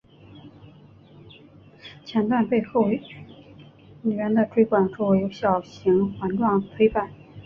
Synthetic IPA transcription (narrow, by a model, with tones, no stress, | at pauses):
t͡ɕʰjɛ˧˥nt̪wa˥˧npe˥˧ɪxo˥˩ʊ | ny˨˩ɥɛ˧˥nd̪ə˧ʈ͡ʂʰwe˥ɪkwa˨˩nʂo˥˩we˧˥ɪjo˧˥ʊɕjɑ˨˩ʊɕi˧˥ŋxwa˧˥nʈ͡ʂwɑ˥˩ŋt̪ʰwe˥ɪpa˥˩˦n